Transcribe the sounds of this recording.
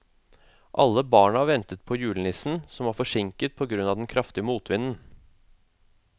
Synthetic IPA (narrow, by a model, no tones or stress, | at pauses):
ʔɑ̰lːəbɑːɳəhɑːɾʋɛnt̪ət̪̚pʰɔjʉːlənɪsn̩sɔmɑːfɔʂɪŋkət̪̚pʰɔɡɾʉnːɑːd̪ɛnkʰɾɑft̪ɪəmuːt̪ʰʋɪnːən